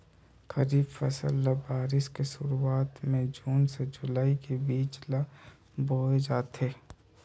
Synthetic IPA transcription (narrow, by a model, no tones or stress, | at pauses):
kɐɾiːbfɐsə̰lːabaːɾɪskeʃʊɾuaːt̪mẽd͡ʒuːnsed͡ʒʊlaːikebiːt͡ʃla | boːed͡ʒaːt̪ɦeː